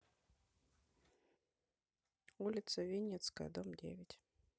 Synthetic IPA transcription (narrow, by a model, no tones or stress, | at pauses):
ulʲɪt̪səvʲinʲːɛt̪skəjə̰d̪omdʲḛvʲɪtʲ